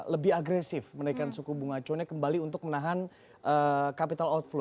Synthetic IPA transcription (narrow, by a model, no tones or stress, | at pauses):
ləbɪaɡɾɛsɪfmənaikansukubuŋat͡ʃɔnɲakəmbaliunt̪ʊk̚mənaɦan | ʔəkapit̪alɔt̪̚flo